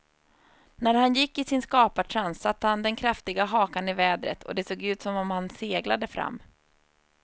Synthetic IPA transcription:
næɾhanjɪkːɪsɪnskɑːpaʈʰɾansat̪ːəhand̪ɛnkʰɾaft̪ɪɡaɦɑːkanɪvɛːd̪ɾə̰t̪ʰɔ̰d̪ɛsoːɡʉ̟ːt̪sɔmɔmhanseːɡlad̪əfɾa̰mː

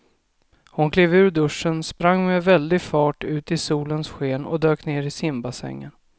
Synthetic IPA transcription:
hʊnkʰleːvʉ̟ːɖɵʂːənspɾaŋːmɛvɛld̪ɪɡfɑːʈʉ̟ːt̪ɪsuːlənsɧeːnɔ̰d̪øːkneːɾɪsɪmbasɛ̰ŋːən

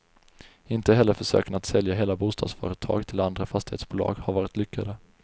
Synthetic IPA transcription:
ɪnt̪əɦɛlːəɾfœʂø̰ːkənat̪sɛljaɦeːlabuːst̪ʰɑːd̪sfœ̰ːɾət̪ʰɑ̰ːɡt̪ʰɪland̪ɾafast̪ɪhḛːt̪sb̥ʊːlɑ̰ːɡhaɾvɑːɾɪt̪lʏkʰːad̪ə

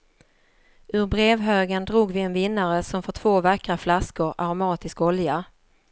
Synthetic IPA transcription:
ʔɵɾbɾeːvɦøːɡənd̪ɾuːɡvɪɛnvɪnːaɾəsɔmfœʈʰv̥oːvakɾaflaskʊɾaɾʊmɑːt̪ɪskɔlja

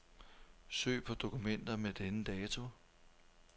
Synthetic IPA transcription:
sø̰ːpʰɒ̽d̥o̝kumen̰d̥ɐmed̥enəd̥ɛːt͡sʰo̝

